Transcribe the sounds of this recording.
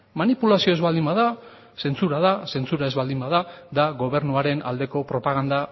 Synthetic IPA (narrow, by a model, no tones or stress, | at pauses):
manipulasio̞e̞zβald̪imbaða | se̞nt͡suɾaðase̞nt͡suɾae̞zβald̪imbaðad̪aɣo̞βe̞ɾnuaɾe̞na̰ld̪e̞ko̞pɾo̞paɣ̞and̪a